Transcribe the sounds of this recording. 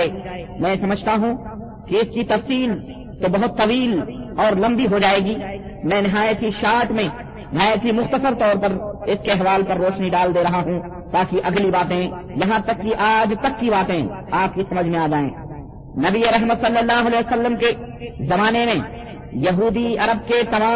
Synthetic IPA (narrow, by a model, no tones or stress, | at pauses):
eːmɛ̃ːsɐməd͡ʒʱt̪aɦũ | kiɪskit̪ɐfsiːl | t̪obɐɦʊt̪ːɐʋiːlɔːɾlɐ̃mbiɦod͡ʒaːeːɡiː | mɛ̃ːnɪɦaːjət̪ʰiʃaːʈmẽ | nɪɦaːjət̪ɦimʊxt̪əsəɾt̪ɔːɾpɐɾɪskeɦʋaːlpɐɾːoːʃniɖaːld̪eɾɐɦaɦũ | t̪aːkiʔɐɡlibaːt̪ẽ | jɐɦãt̪ɐkːiʔaːd͡ʒt̪ɐkːibaːt̪ẽaːp̚kisɐməd͡ʒʱmẽaːd͡ʒaːḛ̃ː | nɐbieɾɛɦmət̪sɐlːəlːaːɦʊɐlɛːsɐlːəmke | zɐmaːnemẽ | jɐɦuːd̪iɐɾəb̚ket̪ɐmaː